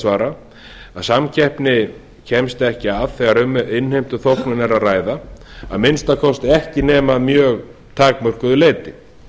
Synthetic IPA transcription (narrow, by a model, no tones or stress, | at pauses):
svaːɾa | aðsamcʰɛhpnɪ | cʰɛmst̪ɛhcɪaðθɛɣaɾʏmɪnhejm̥t̪ʏθowknɪnaɾaðraːjðaaðmɪnst̪akʰɔst̪ɛhcɪnɛːmaðmjœːɣ | t̪ʰaːkmœr̥kʏðʏleːjt̪ɪ